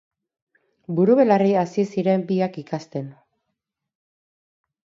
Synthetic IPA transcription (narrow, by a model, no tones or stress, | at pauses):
buɾuβe̞lariasisiɾe̞mbiakikast̪e̞n